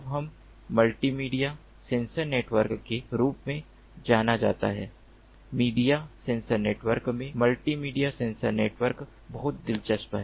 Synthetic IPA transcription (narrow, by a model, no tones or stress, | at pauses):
bɦɐmː | ɐlʈimiːɖija | sẽːnsəɾneːʈʋəɾkːeɾuːpmẽ | d͡ʒaːnad͡ʒa̰ːt̪a̰ɦɛː | miːɖijasẽːnsəɾneːʈʋəɾkmẽməlʈimiːɖijasẽːnsəɾneːʈʋəɾk | bɐɦʊt̪̚d̪ɪlt͡ʃəspɦɛː